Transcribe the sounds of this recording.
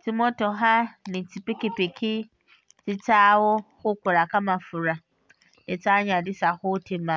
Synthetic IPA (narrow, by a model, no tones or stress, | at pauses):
tʰimɔtɔɦanɪ̃tʰipekepekʰɪ | t͡sɪt͡sʰaːwʊxʊkʷʊɾakamãfʊɾa | nɪt͡saɲãdɪsaxʊtʰemã